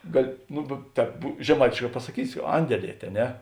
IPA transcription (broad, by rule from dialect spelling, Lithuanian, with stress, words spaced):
ˈɡɑːlʲɪ ˈnʊ bʲɛ ˈtʲɛːp ʒʲɛˈmɐɪtʲeːʃˌkɑː pɐsɐˈkʲiːsʲɪ ˈɐnʲdʲɛˌlʲiɛtʲ ɐ ˈnʲɛ